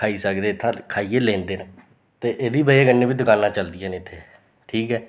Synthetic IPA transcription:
aːiːsəkd̪eːt̪ʰːãːkʰaːiːeːlẽːnd̪eːnã | t̪eːʔeːd̪iːbəieːɡənːeːʋiːd̪ʊkaːlnãːt͡ʃəld̪ɪjãːneɪt̪ʰːeː | ʈʰiːkɦɛː

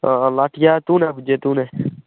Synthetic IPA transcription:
laːʈʰjaːt̪ũːnɛːbəd͡ʒeːt̪ũːnɛː

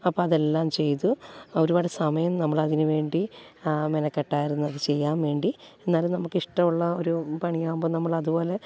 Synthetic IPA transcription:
ɐpːoːɐðe̞lːaːmt͡ɕe̞jt̪uo̞ɾubaːɽesɐmɐjɐmnɐmːɐɭɐðinɨʋe̞ːɳɖimenɐkːeʈːaːjiɾunːuɐðɨt͡ɕe̞jːaːmʋe̞ːɳɖie̞nːaːlumnɐmukːiʂʈɐmuɭːɐo̞ɾupɐɳijaːmboːnɐmːɐɭɐðubo̞ːle̞

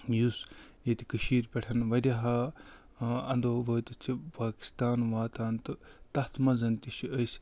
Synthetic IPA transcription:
jusjet̪i̥kɐʃiːɾpʲɛʈʰɐnʋɐd̪ʲɐɦaː | ɐnd̪oːʋəːt̪ɨt͡sʰipaːki̥st̪aːnʋaːt̪aːnt̪ɨt̪ɐt̪ʰmɐzɐnt̪iʃiɐjsʲ

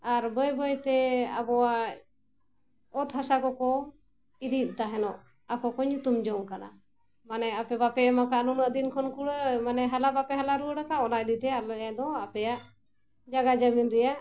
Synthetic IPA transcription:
aɾbɔjbɔjt̪ɛa̰bɔwa | ɔt̪ɦasakɔkɔ | iɾit̪̚ˀt̪aɦɛnɔʔ | akɔkɔɲut̪umd͡ʒɔŋkana̰ | manɛapɛbapɛmakaʔnunəʔd̪inkʰɔnkuɽəmanɛɦalabapɛɦalaɾuəɽakaɔnaʔ̚d̪it̪ɛalɔjad̪ɔapɛjaʔ | d͡ʒaɡad͡ʒaminɾɛjaʔ

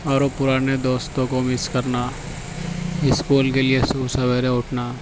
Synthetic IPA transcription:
ɔːɾopʊɾaːned̪oːst̪õkomɪskɐɾna | ɪskuːlkelɪesusɐbeːɾẽʊʈʰnaː

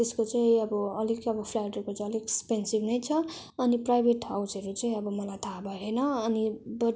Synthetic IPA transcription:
t̪eskot͡sʌĩʌbʌʌlikʌbʌpʰlajʈekot͡sʌliɡekspensibnʌjt͡sʰʌ | ʌniprajbʱeʈɦawsʌɾut͡sʌĩʌbʌmʌlajt̪ʰabʌɦʌjnʌʌnibʌ

